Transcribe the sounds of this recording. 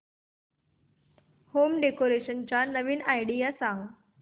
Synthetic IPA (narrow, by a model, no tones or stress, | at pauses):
homɖekoɾeɕənt͡ɕanəʋiːnajɖijasaɦõ